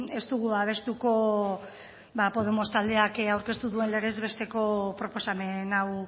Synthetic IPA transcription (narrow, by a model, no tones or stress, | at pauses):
e̞st̪uɣuaβ̞e̞st̪uko̞ | bapo̞ð̞e̞mo̞st̪ald̪e̞akawɾke̞st̪uðue̞nle̞ɾe̞zβe̞st̪e̞ko̞pɾo̞po̞same̞naw